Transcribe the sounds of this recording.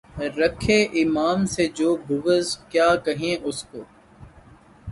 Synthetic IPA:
ɾɐkʰeːʔɪmaːmsed͡ʒoːbʱʊʋəzkjaːkɐɦẽʔʊskoː

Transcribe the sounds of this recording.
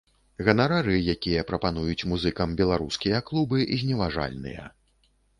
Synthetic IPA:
ɣɐnaɾaɾɨjakʲijɐpɾɐpan̪ujut͡sʲmuzɨkɐmbʲɛlˠaɾuskʲijɐklˠubɨʔizʲnʲɛvaʐa̰lʲnɨ̰jɐ̰

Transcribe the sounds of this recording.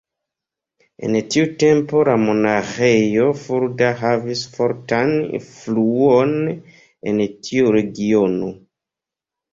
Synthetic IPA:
e̞̰ntiute̞mpo̞lamo̞naχejo̞fuɾdaɦavisfo̞ɾtanḭfluon | entʰiuɾe̞ɡio̞no

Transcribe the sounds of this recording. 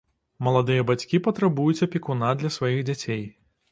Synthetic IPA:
mɐlˠad̪ɨjɐbat͡sʲkʲipɐt̪ɾabujut͡sʲɐpʲikunad̪lʲɐsvajiɣd͡zʲat͡sʲej

